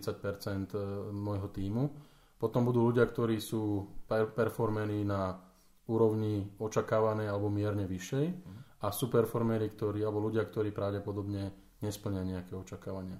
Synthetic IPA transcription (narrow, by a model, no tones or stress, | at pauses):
t͡sac̚pɛɾt͡sɛnt̪mɔjɦɔt̪iːmu | pɔt̪ɔmbud̪uːluɟɪakt̪ɔɾiːsuːpɛpɛɾfɔɾmɛniːna | uːɾɔʊɲiɔt͡ʃakaːʋanɛːalɛbɔmɪɛɾɲɛʋiʃɛjasuːpɛɾfɔɾmɛɾikt̪ɔɾiːalɛbɔluɟɪakt̪ɔɾiːpɾaʊɟɛpɔd̪ɔbɲɛ | ɲɛspl̩ɲɪaɲɛakɛːɔt͡ʃakaːʋaɲɪa